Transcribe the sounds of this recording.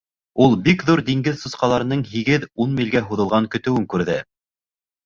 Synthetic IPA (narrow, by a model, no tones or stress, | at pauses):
ulˠbikðuɾd̪iŋɡɘðsŏsqɑlˠɑɾɤ̆nɤɴɦiɡɘðunmilɡæɦuðɤ̆lˠʁɑŋkɵ̆t̪ɘ̆wɘŋkʉɾðɘ